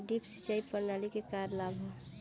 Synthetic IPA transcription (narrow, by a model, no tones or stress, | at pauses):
ɖiːpsi̥t͡ʃaːipəɾnalikekaɾlabʱɦo